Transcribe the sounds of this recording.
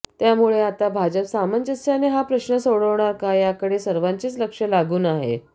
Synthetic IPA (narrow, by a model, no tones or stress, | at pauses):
t̪jamuɭeat̪abʱad͡ʑəpsamənt͡ɕəsjaneɦapɾəɕɳəsoɭəʋɳaɾkajakəɽesəɾʋaɲt͡ɕiːt͡sləkʂəlaɡuːnaɦḛ